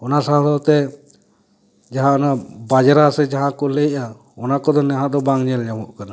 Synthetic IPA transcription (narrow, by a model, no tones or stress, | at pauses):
ɔnasaɦlɔt̪ɛ | d͡ʒaɦãʔɔnabad͡ʒɾasɛd͡ʒaɦãkɔlɛʔa | ɔnakɔd̪ɔnɛɦãd̪ɔbaŋɲɛlɲamɔʔkana